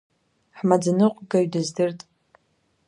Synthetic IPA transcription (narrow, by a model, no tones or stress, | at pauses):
ħmad͡zɨnɨqʷʼɡaɥdɨzdɨrtʼ